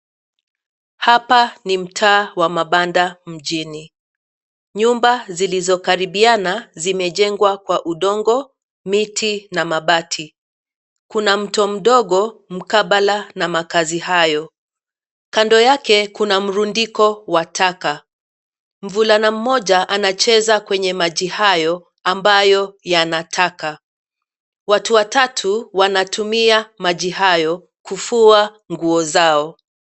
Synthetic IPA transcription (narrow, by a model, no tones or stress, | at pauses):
hapanim̩tʰaːwamaɓandam̩ʄini | ɲumbazilizɔkaɾiɓianazimɛʄɛŋɡwakwaʔuɗɔŋɡɔ | mitʰinamaɓatʰi | kunam̩tɔm̩ɗɔɠɔm̩kaɓalanamakazihajɔ | kandɔjakɛkunam̩ɾundikɔwatʰaka | m̩vulanam̩mːɔʄaʔanat͡ʃɛzakwɛɲɛmaʄihajɔ | ambajɔjanatʰaka | watuwatatʰuwanatʰumiamaʄiɦajɔ | kufua | ŋɡuɔzaɔ